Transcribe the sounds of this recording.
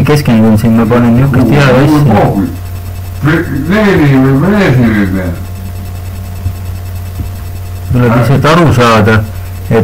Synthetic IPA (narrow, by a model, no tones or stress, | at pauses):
ke̞skend̪̥unsinmɑpɑninːukːˑest̪hiɑæsːioːki | lenieeeˑsilebe | t̪ulebiset̪ːɑɾusɑːd̪̥ɑ | e